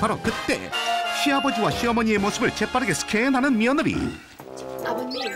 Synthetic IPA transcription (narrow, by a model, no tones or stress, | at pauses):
paɾokɯt̪͈e̞̰ɕʰiabʌd͡ʑiwaɕʰiʌmʌɲie̞mosʰɯbɯɭt͡ɕe̞p͈ʰaɾɯɡe̞sʰɯ̥kʰenɦanɯnmiʌnɯɾḭ